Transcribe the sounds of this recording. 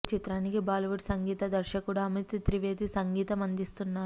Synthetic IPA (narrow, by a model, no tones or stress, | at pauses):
t͡ʃit̪ɾaːnikibaːlɐʋuʈsɐŋɡiːt̪ɐd̪ɐɾʃɐkuɽɐːmit̪t̪ɾiʋeːd̪isɐŋɡiːt̪ɐmɐnd̪ist̪unːaː